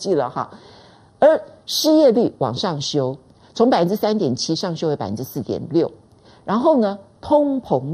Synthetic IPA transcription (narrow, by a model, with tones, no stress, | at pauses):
t͡ɕi˥˩lə̰˩xɑ˥˩ | ə˞˧˥ʂɻ̩˥˧jɛ˥˧ly˥˩wɑ̰˨˩ŋʂɑ˥˩ŋɕjo˥ʊ | t͡sʰʊ˧˥ŋpa˨˩fə˦nʈ͡ʂɻ̩˥sæ˥nt̪jɛ˨˩nt͡ɕʰi˥ʂɑ˥˩ŋɕjo˥ʊjpa˨˩fə˧˦n˥ɻ̩˥sɹ̩˥˩t̪jɛ̰˨˩nljo˥˩ʊ | ɻa˧˥nxo˥˩ʊnə˩˧t̪ʰʊ˥ŋpʰʊ˧˥ŋ